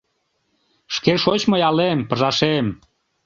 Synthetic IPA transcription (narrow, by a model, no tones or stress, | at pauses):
ʃkeʃot͡ɕmojɑlempəʒɑʃem